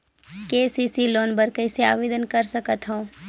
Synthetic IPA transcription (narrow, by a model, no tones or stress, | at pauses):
keːsisiloːnbəɾkɐɪsea̰ːʋeːd̪ənkɐɾsɐkət̪ɦõː